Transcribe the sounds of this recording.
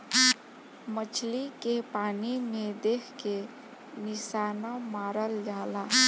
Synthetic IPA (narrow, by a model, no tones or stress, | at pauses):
mət͡ʃʰlikepanimed̪ekʰke | nisanamaɾəld͡ʒala